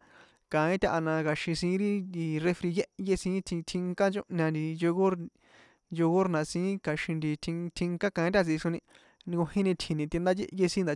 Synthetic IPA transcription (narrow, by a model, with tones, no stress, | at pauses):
kã˨ĩ˦t̪ʲa˦ʔa˧nã˧ka˧ʃĩ˧sĩ˧˦ɾi˦i˧re˧fɾi˧je˦ʔje˦sĩ˧˦tʰi˧t̪ʰĩ˧ŋkã˦t͡ʃõ˦ʔɲã˧nd̪i˧jo˧ɣo˦ɾ | jo˧ɣo˦ɾnã˨˧sĩː˧˦ka˨˧ʃĩ˧nd̪i˧t̪ʰi˧t̪ʰĩ˧ŋkã˦kã˧ĩ˦t̪ʲa˧t͡si˧ʂu˧nĩ˧ | ɡo˧hĩ˦nĩ˧t̪ʰi˧nĩ˧t̪i˧nd̪a˦jḛ˦je˦˧sĩ˦nd̪a˨